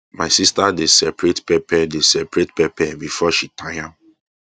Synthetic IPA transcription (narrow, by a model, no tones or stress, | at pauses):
maɪsistadesɛpɾetpɛpɛdesɛpɹetpɛpɛbifɔʃitʰãjã